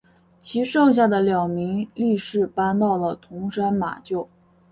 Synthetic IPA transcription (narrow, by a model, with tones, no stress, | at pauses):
t͡ɕʰi˧˥ʂɤ˥˧ŋɕ̬ja˥˩d̪ə˩ljɑ˨˩ʊmi˧˥ŋli˥˧ʂɻ̩˥˩pa˥nt̪ɑ˥˩ʊlə˩t̪ʰʊ˧˥ŋʂa˥nma̰˨˩t͡ɕjo˥˩ʊ